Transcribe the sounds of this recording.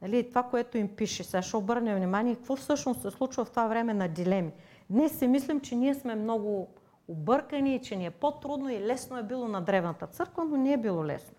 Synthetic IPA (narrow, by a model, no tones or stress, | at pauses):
nɐliːt̪ovakoɛt̪oimpiʃɛsɛaʃɛobɤɾnʲɐvnʲimaniɛkɐkvɔfsɤʃnossɛslˠut͡ʃvɐft̪ovavɾɛmɛnɐd̪ʲilɛmi | d̪nɛsːɛmislɛmt͡ʃɛniɛsmɛmnoɡʊ | obɤɾkɐniːt͡ʃɛniɛpot̪ɾud̪noilɛsnoɛbilˠonɐd̪ɾɛvnɐt̪ət̪sɤɾkvənonɛːbilˠɔlɛ̰sno